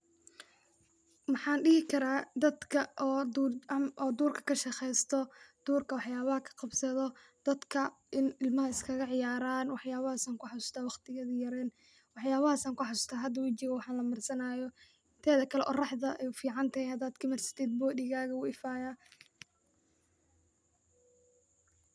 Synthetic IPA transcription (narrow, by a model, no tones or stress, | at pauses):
mɑħɑːnɖɪɦɪkʰɐɾaːd̪ɐd̪kʰɐʔ̪ː | ʔɔːd̪uːrkʰɐ̥kʰɐʃɛxɛjst̪ʰɔd̪̥uːrkʰɐwɑħjaːβɐhɐkʰɐ̥qɑbsɐðɔ | d̪̥ɐd̪kʰɐʔɪnɪlmɐɦɐɪskʰɐɣɐʕɪjaːɾaːnwɑħjaːβɐhɐsaːŋkʰʊħasʊ̥st̪ʰaːwɑχt̪ʰɪɣɐðɪjɐɾɛːn | wɑħjaːβɐhɐsaːŋkʊħasʊ̥st̪ʰaːɦɐd̪ɐwɑt͡ʃɪɣɐwɑħɑnlɐmɐrsɐnaːjɔ | ɪnt̪ʰɛːðɐkʰɐlɛʔɔ̰rɑħðɐʔɛjfiːʕɑnt̪ʰɐhɛjhɐd̪aːd̪kʰɪmɐrsɪ̥t̪ʰɛːd̪̚bɔːdɪɣaːɣɐʊɪfaːjaː